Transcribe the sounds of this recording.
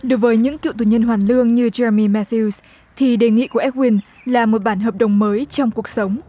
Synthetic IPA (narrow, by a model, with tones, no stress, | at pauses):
ɗo˨˦jvəː˨˦jɲɨ̰˧˥ŋkḭ˧˨wt̪u˧˩ɲə˧nɦwaː˨˩nlɨ˧əŋɲɨ˧zɛ˧ɹə˧mi˧mɛ˧t̪u˧s | t̪ʰi˨˩ɗe˨˩ŋḭ˧˨ku˧˩əʔɛ˦˥k̚wi˧n | laː˨˩mo˨˩t̚ɓaː˧˩nɦəː˨˩p̚ɗə˨˩wŋ͡mməː˨˦jt͡ɕɔ˧wŋ͡mku˨˩ək̚sə˨˦wŋ͡m